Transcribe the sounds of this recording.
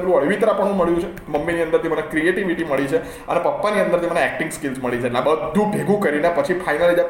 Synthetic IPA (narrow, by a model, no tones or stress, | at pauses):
bɾũəɭʋit̪ɾapəɳ̃ũməɭjũt͡ʃʰe | məmːiniə̃nd̪əɾt̪emənekɾieʈiʋiʈiməɭit͡ʃʰe | ə̰nepəpːaniənd̪əɾt̪̬eməneɛk̚ʈiŋɡskilsməɭit͡ʃʰeʈlãbəd̪ʱːũbʱeɡʱũkəɾinepət͡ʃʰifʰajnalid͡ʒ̪a